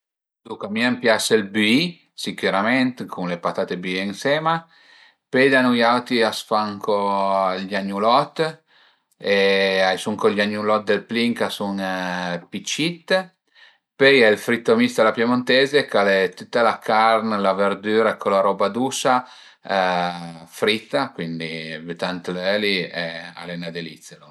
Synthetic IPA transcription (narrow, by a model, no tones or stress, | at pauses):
d̪ukamiampjaselbyi | sikyɾamɛnt̪kʰunlepat̪at̪ebyiensɛːma | pejd̪anujawt̪iasfaŋkʰoʎaɲːulɔt̪ː | eajsuŋkoʎaɲːulɔt̪̚d̪elpliŋkasuŋpit͡ʃːit̪ː | pøjɛlfɾit̪ːomist̪alapjemont̪eːzekalet̪ut̪ːalakarnlaverd̪yːɾaekʰːolaɾɔbad̪uːsa | fɾit̪ːakwind̪ivet̪ant̪lɛːliɛa̰lɛnad̪elit̪selo